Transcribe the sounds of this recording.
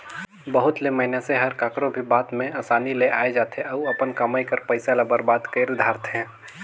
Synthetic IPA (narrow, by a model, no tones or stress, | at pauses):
bəɦʊt̪leməɦɪnaseɦəɾkaːkɾobʱibaːt̪mẽaːsaːnileʔaːed͡ʒaːt̪eɐuɐpənkɐmaːikəɾpəɪsalabəɾbaːd̪kəɾd̪ʱaːɾt̪ɦɛ̃ː